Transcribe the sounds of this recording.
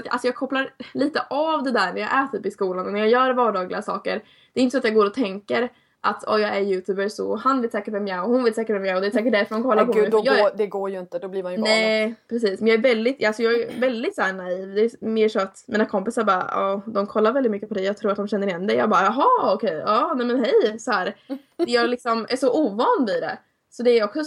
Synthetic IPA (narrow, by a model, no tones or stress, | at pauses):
sat̪a̰lsɔjɑːɡkʰɔpːlaɾliːt̪əʔavd̪ɛd̪æːɾɳæɾja̰ɡʔæːʈʰyːpɪskuːlanɔnæɾjɑjœːɾvɑːɖɑːɡlɪɡasɑ̰ːkə̰ɾ | d̪ɛɾɪnt̪əsɔat̪jɑːɡoːɾɔt̪ʰɛŋkəɾ | ʔa̰t̪ʰɔ̰jɑːɡæɾjʉ̟ːt̪ʰʉ̟ːbəsɔ̰hanveːt̪sɛːkəʈvɛmjaɔhʊnveːt̪sɛːkəʈvɛmjaɔd̪ɛsɛːk̬əʈ̚d̪æɾfœɾɖɔmkʰɔlːapʰɔd̪jd̪ɛɡoːɾjɵɪnt̪əd̪ɔbliːmanjnɛpʰɾɛs̬iːsmɛnjɑːæɾvɛld̪ɪt̪alsɔjɑːɡæɾvɛld̪ɪt̪sɔhæːɳaiːvd̪ɛːmeːʂɔat̪miːnakʰɔmpɪsaɾbɑːɾa̰ɑd̪ɔmkʰɔlːaɾvɛld̪ɪt̪mʏkːəpʰɔd̪ɛjɑːɡt̪ʰɾuːɾat̪d̪ɔmɕɛnːəɾɪjɛnːd̪ɛjɑːɡbɑːɾaɦɑɔkʰɛjɑnɛmɛnɦɛjsɔhæːɾd̪ɛjɑːlɪksɔmʔæ̰ʂɔʔuːvɑːnvɪd̪ɛ̰ | sɔd̪ɛːɾɔksɔ